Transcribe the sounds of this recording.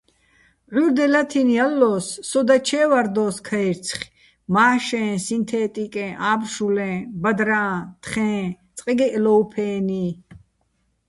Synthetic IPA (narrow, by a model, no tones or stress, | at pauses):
ʕuɾd̪ɛlat̪ʰinjalːɔːsːɔd̪at͡ʃʰɛːvaɾd̪ɔːskʰaiɾt͡sʰχ | maːʃɛ̃ːsint̪ʰɛːt̪ʼikʼɛ̃ʔaːbʃulɛ̃ːbad̪ɾãːt̪ʰχɛ̃ː | t͡sʼqʼiɡɛʔlɔwpʰɛːni